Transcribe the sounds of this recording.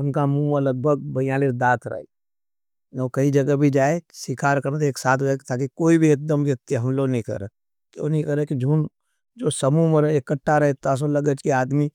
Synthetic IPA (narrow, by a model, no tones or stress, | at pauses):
ʊnkamũələɡ̚bʱəɡ̚bɐjaːliɾd̪aːt̪ʰɾɐ̰ḛ | okɐid͡ʒɐɡəbʱid͡ʒaːesɪkʰaːɾkɐɾnt̪eːksaːt̪ʰːkt̪ʰaːkikoːibʱiɐk̚d̪əmʋjɐt̪ːiɦɐmloɡnɦĩkɐ̰ɾə̰ | kjo̰ːnĩkɐɾekid͡ʒʱuːn | d͡ʒoːsɐmũməɾɪkəʈʰːaɾɐɦet̪as̬olɐɡət͡ʃkiaːd̪mi